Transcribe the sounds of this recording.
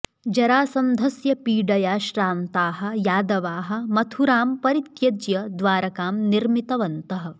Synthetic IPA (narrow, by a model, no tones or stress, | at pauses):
d͡ʒɐɾaːsɐnd̪ʱɐsjɐpiːɖɐjaːʃɾaːnt̪aːɦɐ̆jaːd̪ɐʋaːɦɐ̆mɐt̪ʰuɾaːmpɐɾit̪jɐd͡ʒjɐd̪ʋaːɾɐkaːmniɾmit̪ɐʋɐnt̪ɐɦɐ̆